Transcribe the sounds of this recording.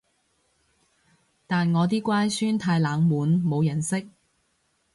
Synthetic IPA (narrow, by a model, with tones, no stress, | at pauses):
t̪aː˨nŋɔː˨˧t̪iː˥kʷaː˥jsyː˥nt̪ʰaː˧jlaː˨˧ŋmuː˨˥nmo˨˧wjɐ˨˩nsɪ˥k̚